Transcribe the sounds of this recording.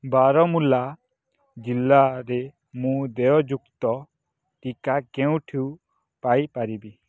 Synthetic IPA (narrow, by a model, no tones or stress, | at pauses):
baɾɔmula | d͡ʒilːaɾe | mũd̪ɛɔd͡ʒukt̪ɔ | ʈikakɛũʈʰiu | pajpaɾibi